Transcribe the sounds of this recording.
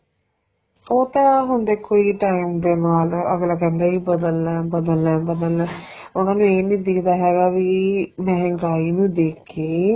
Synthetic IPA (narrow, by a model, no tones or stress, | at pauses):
oːt̪ãɦʊnd̪eːkoːiʈaːimd̪eːnaːlə̰ɡlaːkɛ̃ːnd̪aːiːbəd̪əlːɛːbəd̪əlɛːbəd̪əlɛ̃ːʊnãːnũːeːnĩːd̪ɪkd̪aːɦɛːɡaːʋimɛɦɛ̃ŋɡaːiːnũːd̪eːkʰeː